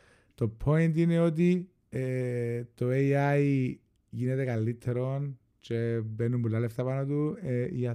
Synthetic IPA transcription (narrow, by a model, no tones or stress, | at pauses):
t̪opʰoint̪ineot̪̬i | t̪oeiai | ʝinet̪ekalːit̪ʰːeɾon | t͡ʃebenːumbulːaleft̪apanot̪uḭja